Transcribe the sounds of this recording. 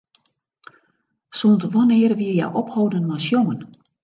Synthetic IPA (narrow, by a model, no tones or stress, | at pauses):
sontʋɔnɪərʋiəjɛ̰jʔɔphowdənːɔjsjoŋən